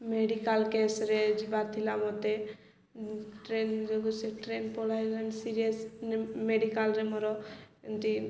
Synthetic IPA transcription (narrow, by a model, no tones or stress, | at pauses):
meɖikalkesɾed͡ʒibaɾt̪ʰilamɔt̪e | ʈɾend͡ʒɔɡuseʈɾenpɔɽajɡansiɾijesnmeɖikalɾemɔɾɔnt̪i